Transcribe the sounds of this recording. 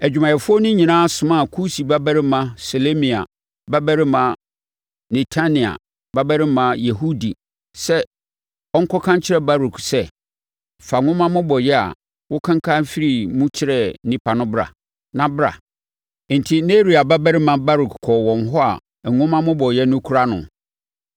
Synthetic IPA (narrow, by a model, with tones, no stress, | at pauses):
æ˨d͡ʑᶣu˨mã˨jɛ˨fʊ˦ɔ˦nʊ̃˦ɲĩ˨nãː˦sʊ̃˨mã˦˨kʰu˦si˨ba˦bæ˦ɾɪ˦mã˨so˨le˦mĩ˨a̰˨ | ba˦bæ˦ɾɪ˦mã˨ | ne˨tʰa˦nĩ˨a̰˨ | ba˦bæ˦ɾɪ˦mã˨je˨ɦu˦di˨ | sɛ˦ | ɔ˦ŋ̩˦kʰɔ˦kʰã˦ɲ˦t͡ɕʰɪ˦ɾɛ˨ba˦ɾu˨ksɛ˦˨ | fa˨ŋʊ̃˦mã˦mʊ̃˦bɔ˨jɛ˦a̰˨ | wʊ˦kʰã˦ŋ˦kʰa˦fi˦ɾi˨mũ˦t͡ɕʰɪ˦ɾɛ˨˦nĩ˦pʰa˨nʊ̃˦bɾa̰˨ | nã˦bɾa̰˨ | n̩˨tʰi˦ne˦ɾi˨a˨ba˦bæ˦ɾɪ˦mã˦ba˦ɾu˨kkʰɔ˨wɔ̃˨n˨ɦɔ˦a̰˨ | ŋʊ̃˦mã˦mʊ̃˦bɔ˨jɛ˦nʊ̃˦kʰu˦ɾa˦nʊ̰̃˨